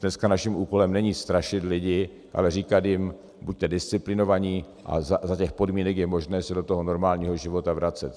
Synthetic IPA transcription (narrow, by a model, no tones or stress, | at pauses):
d̥nɛskanaʃɪmʔuːko̞lɛmnɛɲiːst̪ɾaʃɪt̪lɪɟɪ | ʔa̰lɛriːkat̪jɪm | buc̚t̪ɛdɪst͡sɪplɪno̞vaɲiː | ʔa̰zazacɛxpo̞dmiːnɛkjɛmo̞ʒnɛːsɛdot̪o̞ɦono̞ɾmaːlɲiːɦo̞ʒɪvo̞t̪avɾʔat͡sɛt̪